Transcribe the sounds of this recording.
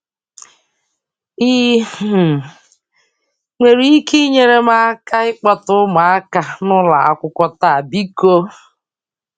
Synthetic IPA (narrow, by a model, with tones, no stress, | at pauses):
i˦˨ | ŋʷe˨ɾi˦i˦ki˦ɲe˦ɾe˦ma˦a˦ka˦ɪ˦k͡pɔ˦tʊ˦ma˨a˦ka˨nʊ˦la̰˨a̰˨kʷʊ˦kʷɔ˦ta˦a˨bi˦ko˦